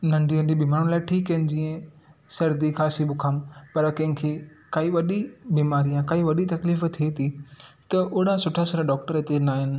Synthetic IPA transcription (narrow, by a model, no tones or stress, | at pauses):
nɐ̃ɳɖiɦɐ̃ɳɖibiːmaːɾʊ̃ɽ̃laːɪʈʰiːkːɐɦɪnɪ̆d͡ʑiːə̃ | sɐɾd̪ixaːsibʊkʰaːmpɐɾkɐ̃ɦɪ̃kʰeː | kaːiʋɐɗibiːmaːɾijãkaːiʋɐɗit̪ɐkliːft̪ʰiet̪ʰit̪ɐʔʊɽãsʊʈʰasɐɾaɖɔːk̚ʈəɾet̪enaːɦɪnɪ̆